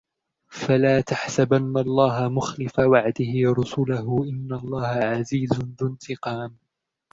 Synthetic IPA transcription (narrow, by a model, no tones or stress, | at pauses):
falaːt̪aħsabanːaɑlˤːɑːɦamʊxlɪfawaʕd̪ɪhɪwɾˤʊsʊlaɦʊʔɪnːalˤːɑːhaʕaziːzʊnðʊnt̪ɪqɑːm